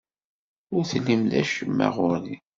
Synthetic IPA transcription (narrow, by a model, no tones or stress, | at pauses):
ʊɾθlːimðæ̰ʃəmːæ̰ʁʊɾði